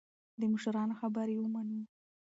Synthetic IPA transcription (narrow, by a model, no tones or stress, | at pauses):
d̪əmʊʃaɾɑnoxabaɾewəmanu